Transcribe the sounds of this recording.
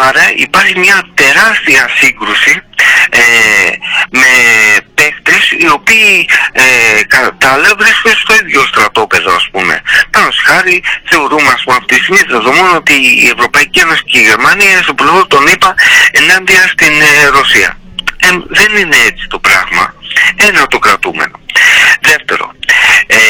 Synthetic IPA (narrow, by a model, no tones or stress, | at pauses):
ɐɾɐipɐɾçimɲɐt̪e̞ɾɐst̪iɐsiŋɡɾusie | me̞pe̞xt̪e̞sio̞piːekɐt̪ɐlevɾiskod̪d̪est̪o̞iðʝo̞st̪ɾɐt̪o̞pe̞ðo̰ɐspume̞̰pɐno̞st̪i̥xɐɾiθe̞o̞ɾumeɐspumeɐft̪ist̪iɣmit̪ɾeðomono̞t̪iːe̞vɾo̞pɐicie̞no̞si̥ce̞iʝe̞ɾmɐniɐinst̪oplevoɾt̪o̞nipɐe̞nɐnd̪iɐst̪inɾo̞siɐ̰emðe̞nine̞et͡si̥t̪o̞pɾɐɣmɐ̰e̞nɐt̪o̞kɾɐt̪umḛno̞̰ðe̞ft̪e̞ɾo̞̰